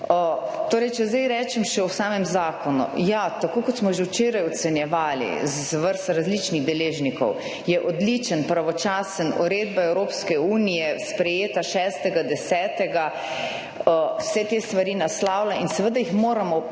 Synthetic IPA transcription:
ət̪oːɾɛjt͡ʃɛzd̪ajɾɛːt͡ʃɛmʃɛwsaːmɛmzaːkɔnṵjat̪akoːkɔt̪smɔʒɛwt͡ʃeːɾajɔt̪sɛnjɛʋaːlḭz | ʋəɾst̪aɾazlit͡ʃniɣd̪ɛleːʒnikɔ̰w | jɛʔɔd̪lit͡ʃənpɾaʋɔt͡ʃaːsənṵɾeːd̪baɛwɾoːpskɛuːnijɛspɾɛjeːt̪aʃɛːst̪ɛɡad̪ɛsɛːt̪ɛɡa | əwsɛt̪est̪ʋaɾinaslaːwlainsɛʋəd̪ajixmoːɾamɔ

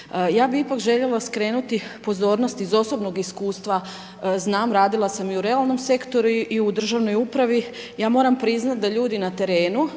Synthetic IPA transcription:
jaːbiipakʒe̞ʎe̞laskɾe̞ːnut̪ipo̞zo̞ːɾnost̪izo̞so̞bnoɡiskuːst̪ʋa | znaːmɾaːd̪ilasamiuɾe̞alˠno̞mse̞kt̪o̞ɾuʔiud̪r̩ʒaʋno̞jupɾaʋi | jaːmo̞ːɾampɾiznat̪̚d̪aʎuːd̪inat̪e̞ɾeːnu

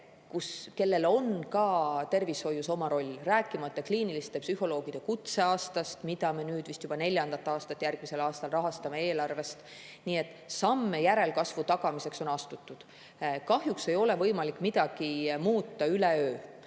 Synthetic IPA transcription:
kuske̞lːe̞lo̞nkɑt̪e̞rvisho̞jːuso̞mɑɾo̞lʲːræːkːˑimɑt̪ːˑɑkliːnilist̪e̞psyho̞lo̞ːɡ̥id̪̥ekut̪se̞ɑːst̪ɑst̪mid̪̥ɑme̞nyːd̪̥vist̪jub̥ɑne̞lʲjɑnd̪̥ɑt̪ːˑɑːst̪ɑt̪ːˑjærɡ̥mise̞lɑːst̪ɑlrɑɦɑst̪ɑme̞e̞ːlɑrve̞st̪ | niːe̞t̪ːˑ | sɑmːe̞jæɾe̞lkɑsvut̪ɑɡ̥ɑmise̞kso̞nɑst̪ut̪ːˑud̪̥ | kɑhjukse̞jo̞le̞vɤjmɑlikːˑmid̪̥ɑɡ̥imuːt̪ˑːɑyleøː

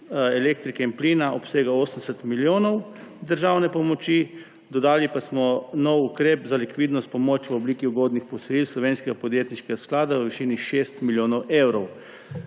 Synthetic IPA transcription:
ɛleːkt̪ɾikɛinpliːnaʔɔpseːɡaoːsən̩d̪ɛsɛt̪miljoːnɔwd̪əɾʒawnɛpɔmɔt͡ʃi | d̪ɔd̪aːlipasmɔnɔwukɾeːpzalikʋiːd̪nɔst̪pɔmoːt͡ʃʋɔbliːkiuɡoːd̪nixpɔsɔjilslɔʋeːnskɛɡapɔd̪jeːt̪niʃkɛɡasklaːd̪aʋəʋiʃiːniʃeːst̪miljoːnɔwewɾɔw

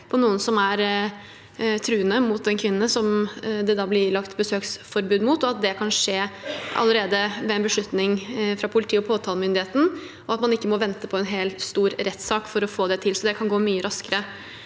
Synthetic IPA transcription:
pʰɔnuːənsɔmæɾ | t̪ʰɾʉːənəmʊt̪̚d̪ɛnkʰʋɪnːəsɔmd̪ɛd̪ɑːblɪlɑkt̪bəsøːksfɔɾbʉːd̪mʊt̪ɔɑt̪̚d̪ɛkʰɑnʂeːʔɑ̰ləɾeːd̪əʋɛɛnbəʂɭʉt̪nɪŋfɾɑːpʰʊlɪt̪ʰiːɔpʰoːt̪ʰɑːlmʏnd̪ɪheːt̪n̩ | ʔɔɑt̪mɑnɪkːəmɔʋɛnt̪əpʰɔɛnɦeːlt̪st̪uːɾɾɛt̪ːsɑːkfɔɾɔfoːd̪ɛt̪ʰɪlsɔd̪ɛkʰɑnɡoːmyːəɾɑskəɾə

